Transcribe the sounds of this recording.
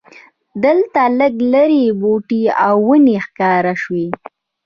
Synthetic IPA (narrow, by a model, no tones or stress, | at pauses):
d̪əlt̪aləɡləɾiboʈiawːənexkɑɾaʃwi